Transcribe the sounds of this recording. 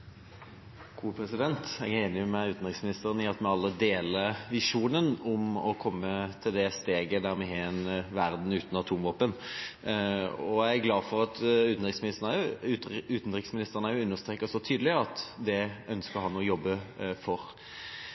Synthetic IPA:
ɡ̥ʰuːpʰɾɛsɪd̪ɛnt̪ɛɡæʁeːnɪmɛʉːt̪n̩t̪ʁɪksmɪnɪst̪əʁənɪɑt̪mɛɑlːəd̪eːləʋɪʂuːnənʊmɔkʰɔmːət̪ʰɪld̪ɛst̪eːɡəd̪æɾmɛɦeɛnʋæʁd̪n̩ʉːt̪nɑt̪ʰuːmʋoːpən | ɔææɡlɑːfɔɾɑt̪ʉːt̪n̩ɾɪksmɪnɪst̪ənɑ | ʉːt̪n̩t̪ʁɪksmɪnɪst̪əʁənɑæjʊʉnːəʁst̪ɾeːkəsɔt̪ʰyːd̪əlɪɑt̪d̪ɛœnskəɾhɑnɔjɔbːəfɔɾ

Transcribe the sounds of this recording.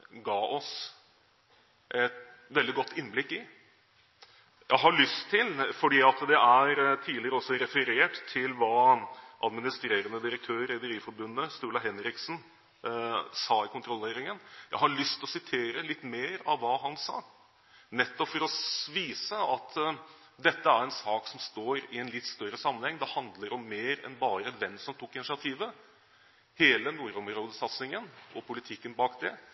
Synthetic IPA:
ɡɑːʔɔs | ʔɛt̪ | ʋɛld̪ɪɡɔt̪ːɪnːblɪkːɪ | jʔæɪɦɑɭʏst̪ʰːɪlfɔɖiːɑt̪d̪ɛʔæɾt̪ʰiːlɪɾəɔsːɔɾɛfəɾeːʈt̪ʰːɪlʋɑːʔɑd̪mɪnɪst̪ɾeːɾənəd̪ɪɾək̚t̪ʰøːɾɛd̪əɾiːfɔɾbʉnːəst̪uːlɑɦɛnɾɪksn | sɑːɪkʊnt̪ɾɔlːeːɾɪŋənjæ̰ɪhɑɭʏst̪ɔsɪt̪ʰeːɾəlɪt̪ːmeːɾɑʋʋːɑːɦɑnsɑ̰ː | nɛt̪ːɔpfɔɾɔsʋiːsəɑt̪ | d̪ɛt̪ːəæɾɛnsɑːksɔmst̪oːɾɪɛnlɪt̪ːst̪œɾəsɑmːənhɛŋːd̪ɛhɑnd̪ləɾɔmːeːɾɛ̰nbɑːɾəʋ̪ɛmsɔmt̪ʰʊkːɪnɪsɪɑt̪ʰiːʋə | heːlənuːɾɔmɾoːd̪əsɑt̪snɪŋənʔɔpʰʊlɪt̪ʰɪkːənbɑːkd̪ɛ

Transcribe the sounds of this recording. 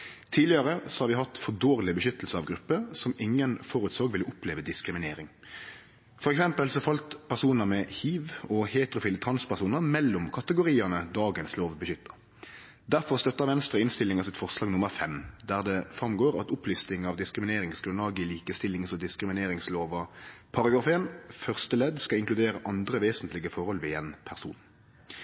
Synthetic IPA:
t̪ʰiːlɪəʁəsɔhɑɾʋɪhɑt̪fɔd̪oːɾlɪbəʃʏt̪əlsəɑʋɡɾʉpːəsɔmɪŋːənfɔɾʉt̪soːɡʋɪlːəʔʊpleːʋəd̪ɪskɾɪmɪneːɾɪŋ | fɔɾɛksɛmpəlsɔfɑlt̪pʰæʁsuːnəʁmɛhiːʋɔheːt̪ɾʊfiːlət̪ʰʁɑnspʰæʁsuːnəʁmɛlːʊmkʰɑt̪əɡʊɾiːənəd̪ɑːɡənsloːʋbəʃʏt̪ːə | d̪æʁfɔʁst̪œt̪ːəʁʋɛnst̪ʁəɪnst̪ɪlːɪŋɑsɪt̪fɔʁslɑːɡnʊməʁfɛmd̪æːʁd̪ɛfʁɑmɡoːɾɑ̰t̪ʊpʰlʏst̪ɪŋɑʋd̪ɪskɾɪmɪneːɾɪŋsɡɾʉnɑːɡɪliːkəst̪ɪlɪŋsɔd̪ɪskɾɪmɪneːɾɪŋsloːʋɑpʰɑʁɑɡɑːfeːnfœʁst̪əlɛd̪skɑɪŋklʉd̪eːɾəʔɑnd̪ɾəʋeːsənt̪lɪɡəfɔɾhɔlʋɪeːnpʰæʁsṵːn

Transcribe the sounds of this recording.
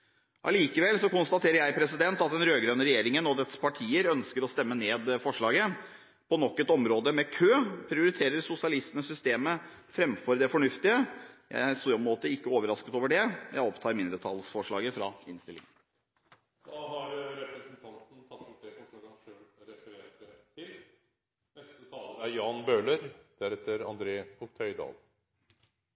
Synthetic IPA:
ʔɑ̰liːkəʋɛlsɔkʊnst̪ɑt̪ʰeːɾəɾjæɪpʰɾɛsɪd̪ɛnt̪ɑt̪d̪ɛnɾøːɡɾøːnəɾɛjeːɾɪŋənɔd̪ɛt̪spʰɑʈʰiːəɾœnskəɾɔst̪ɛmːəneːd̪fɔʂɭɑːɡə | pʰɔnɔkːət̪ɔmɾoːd̪əmɛkʰøːpʰɾɪʊɾɪt̪ʰeːɾəɾsʊsɪɑlɪst̪ənəsʏst̪eːmə | fɾɛmfɔɾd̪ɛfɔɳʉft̪ɪəjæ̰ɪɾsɔmoːt̪əɪkːəoːʋəɾɑskət̪oːʋəɖɛjæ̰ɪɔpt̪ʰɑːɾmɪnd̪ɾət̪ʰɑːlsfɔʂɭɑːɡəfɾɑɪnst̪ɪlːɪ̰ŋən | d̪oːhɑɖʉɾɛpɾəsənt̪ʰɑnt̪n̩sʰɑt̪ːʊʈɛsɔkʰɑnəɾɛfəɾeːʈət̪ʰɪl | nɛst̪ət̪ʰɑːləæjɑːnbøːləɾd̪̥æɾɛt̪ːəɾɑ̰nd̪ɾeːkʰʊk̚t̪ʰœʏd̪ɑ̰ːl

